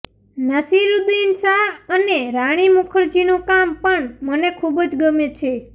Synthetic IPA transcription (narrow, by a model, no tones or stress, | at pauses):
nəsiɾud̪uɪnsaəneɾaɽ̃imukʰəɾd͡ʒinõkampəɳmənekʰubd͡ʒɡəmet͡ʃʰe